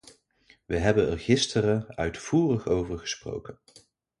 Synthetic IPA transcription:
ʋəɦɛbənɛrχɪstəɾəœɥtfuːrəχowvəɹχə̥spro̰wkən

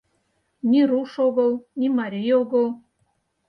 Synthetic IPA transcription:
nʲiɾuʃoɣɤ̆lˠnʲimɑɾʲijoɡəlˠ

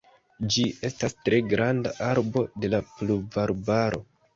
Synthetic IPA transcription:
d͡ʒiʔe̞stastɾe̞ɡɾanda̰ʔaɾbo̞de̞lapluvaɾbaɾo̞̰

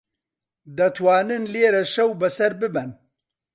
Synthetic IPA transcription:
d̪ɐt̪ʰwaːnɨnleːɾɐʃɐwbɐsɐɾbɨbɛn

